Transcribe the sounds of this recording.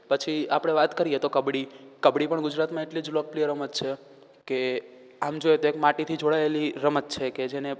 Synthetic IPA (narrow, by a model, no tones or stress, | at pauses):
pət͡ʃʰiapɽ̃eʋat̪kəɾijet̪okəbɽikəbɽipəɳɡʊd͡ʒɾat̪mãeʈlid͡ʒlopliəɾəmət̪t͡ʃʰe | ke | amd͡ʒoet̪oekmaʈit̪ʰid͡ʒoɽaeliɾəmət̪t͡ʃʰeked͡ʒene